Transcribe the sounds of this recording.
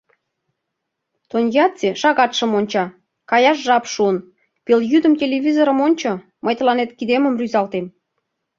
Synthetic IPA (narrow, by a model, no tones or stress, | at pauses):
t̪onʲjɑt͡seʃɑɣɑt̪ʃə̆monʲt͡ɕɑ | kɑjɑʃ̬ʒɑpʃuən | peljyd̪ə̆mtʲelʲeβʲizoɾə̆monʲt͡ɕŏ | məjt̪ə̆lɑnet̪kid̪emə̆mryzɑlt̪em